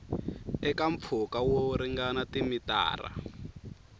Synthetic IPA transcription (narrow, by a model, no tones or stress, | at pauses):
ɛkaɱp̪fʰukawoɾiŋɡanatimita̰ːra̰